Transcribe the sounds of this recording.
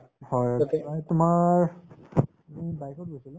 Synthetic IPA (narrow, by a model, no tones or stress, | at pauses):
hɔjiajtʊmaɹ | mibajkɔt̚ɡojsilʊ